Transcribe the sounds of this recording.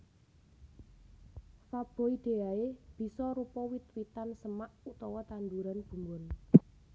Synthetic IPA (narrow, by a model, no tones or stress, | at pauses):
fab̥o̤id̪̥e̤aeb̥i̤sɔɾupɔwit̪wit̪ansəmaʔut̪ɔwɔt̪and̪uɾanb̥ṳmbʊn